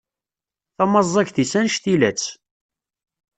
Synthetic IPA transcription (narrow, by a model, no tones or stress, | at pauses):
θɑmɑzˤːɑçθisænʃθilæt͡sː